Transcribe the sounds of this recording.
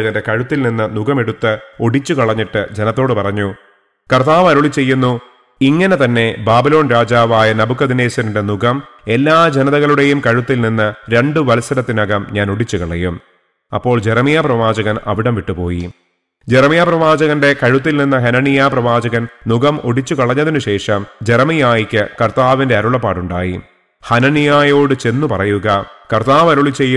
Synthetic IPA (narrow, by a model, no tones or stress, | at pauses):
ɐɣɐnde̞kɐɻut̪ːilninːɨnuɡɐme̞ɽut̪ːɨo̞ɽit͡ɕːukɐɭɐɲːiʈːɨd͡ʑe̞nɐt̪ːo̞ːɽɨpɐrɐɲːu | kɐrt̪aːʋɐɾuɭit͡ɕːe̞jːunːu | iŋːɐne̞t̪ɐnːe̞baːbilo̞ːnɾaːd͡ʑaːʋaːjɐnɐbukːɐd̪ine̞ːsɐnuɽenuɣɐme̞lːaːd͡ʑenɐðɐɣɐɭuɽe̞jumkɐɻut̪ːilninːɨɾe̞ɳɖɨʋɐlsɐɾɐt̪ːinɐɣɐmɲaːno̞ɽit͡ɕːukɐɭɐ̰jum | ɐ̰pːo̞ːɭd͡ʑeɾɐmijaprɐʋaːd͡ʑɐɣɐnɐ̰ʋiɽɐmʋiʈːupo̞̰ːji | d͡ʑeɾɐmijaːprɐʋaːd͡ʑɐɣɐnde̞kɐɻut̪̬ːilninːɐɦɐnɐnijaːprɐʋaːd͡ʑɐɣɐnnuɣɐmoɽit͡ɕːukɐɭɐɲːɐðinuɕe̞ːʂɐmd͡ʑe̞ɾɐmijaːjikʲːɨkɐrt̪aːʋinde̞ɐɾuɭɐpːaːʈuɳɖaːjḭ | hɐnɐnijaːjo̞ːɽɨt͡ɕe̞nːupɐrɐjuɣɐkɐrt̪aːʋɐɾuɭit͡ɕːe̞jːu